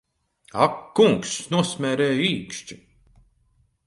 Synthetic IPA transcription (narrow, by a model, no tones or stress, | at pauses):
akːuŋksnuɔsmʲɛːɾɛːjiːkʃt͡ʃi̥